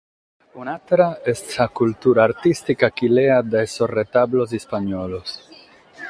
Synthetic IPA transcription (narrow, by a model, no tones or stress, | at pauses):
unat̪ɾaestakultuɾaːɾtistikakilead̪eesoret̪ablo̞s̬ispaɲolo̞s